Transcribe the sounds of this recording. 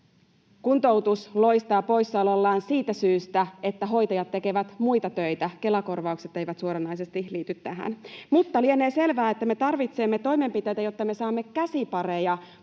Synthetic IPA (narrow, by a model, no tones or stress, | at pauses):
kunt̪owt̪uslo̞jst̪ɑːpo̞jsːɑlolːɑːnsiːt̪æsyːst̪æe̞t̪ːæɦo̞jt̪ɑjɑt̪ːe̞ke̞ʋæt̪mujt̪ɑt̪ø̞jt̪æke̞lɑko̞rʋɑukse̞t̪ːe̞jʋæt̪suoɾɑnːɑjs̬est̪iliːt̪yt̪ːæɦæ̰nmut̪ːɑliene̞ːse̞lʋæːet̪ːæme̞t̪ɑrʋit̪se̞mːe̞t̪o̞jme̞mpit̪e̞jt̪æjo̞t̪ːɑme̞sɑːmːe̞kæsipɑrejɑ